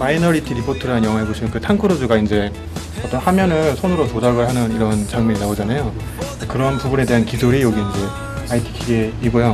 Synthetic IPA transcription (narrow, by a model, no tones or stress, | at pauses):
mainʌɾitʰiɾipʰotʰɯɾanɯnjʌŋɦaɦeɡoɕʰinɯnkɯtʰaŋkʰɯɾod͡ʑuɡaind͡ʑe̞ | ʌt͈ʌnhamjʌnɯɭsʰonɯɾotodaɡɯɭɦanɯniɾʌnt͡ɕaŋmjʌɲinaod͡ʑanajo | ekɯɾʌnpubune̞de̞ɦankisʰoɾijʌɡiːnd͡ʑe̞ | aitʰi̥kʰiɡeiɡojo